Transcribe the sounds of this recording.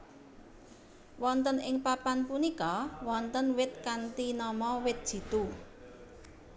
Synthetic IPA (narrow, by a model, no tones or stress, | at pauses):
wɔnt̪ənɪŋpapanpunikɔwɔnt̪ənwɪt̪̚kant̪inɔmɔwɪt̪̚d̥ʒ̥i̤t̪u